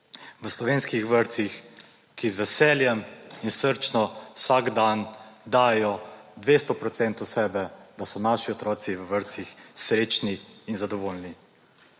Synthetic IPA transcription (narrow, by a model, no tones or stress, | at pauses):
ʋəslɔʋeːnskixʋəɾt̪six | kizʋɛsɛːljɛminsəɾt͡ʃnɔw̥saɡd̪and̪aːjjɔd̪ʋest̪ɔpɾɔt̪sɛnt̪usɛːbɛd̪asɔnaːʃiɔt̪ɾɔːt̪siʋəʋəɾt̪sixsɾeːt͡ʃniːnzad̪ɔʋoːlni